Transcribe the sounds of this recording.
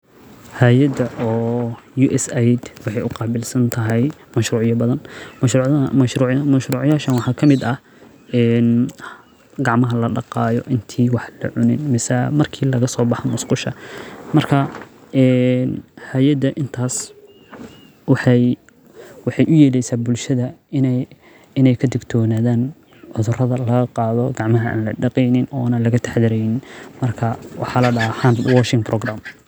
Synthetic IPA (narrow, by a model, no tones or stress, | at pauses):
haːjɐd̪ɐʔɔː | juːʔɛsɛjd̪wɑħɑjʊqɑːbɪlsɐnt̪ʰɐɦɛjmɐʃɾuːʕɪjɐbɐðɐnmɐʃɾuːɐʃɾuːʕmɐʃɾuːʕjaːʃɐnwɑħɑːkʰɐmɪd̪ɐ | ɛn | ɡɑʕmɐɦɐlɐɖɑqɑːjɔ̰ʔɪnt̪ʰiːwɑħlɐ̰ʕʊnɪnmɪsɐmɐrkʰiːlɐɣɐsɔːbɑħɔmʊsqʊʃɐ̰mɐrkʰɐ | ʔɛnhaːjɐd̪ɐʔɪnt̪ʰaːs | wħ | wɑħɑjʔʊjɛːlɛjsaːbʊlʃɐðɐɪn | ɪnɛjkʰɐd̪ɪɡt̪ʰɔːnaːðaːn | ʕʊðʊrɐðɐlɐɣɐqɑːðɔɡɑʕmɐɦɐa̰ːnlɐ̰ɖɑqiːnɪnɔːnɐlɐɣɐt̪ʰḁħðɪɾɛjnɪnmɐrkʰɐwʔɑ̰ħɑlɐɖɐɦɐħand̪wɔʃɪŋɡ̚brɔɡraːm